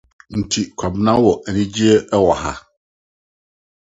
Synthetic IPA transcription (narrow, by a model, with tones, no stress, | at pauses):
n̩˨tʰi˨kʷʰa˨bnã˦wɔ˨ʔɛ˨nĩ˦d͡ʑi˦ɛ˦ʔɛ˦wa˨ha̰˦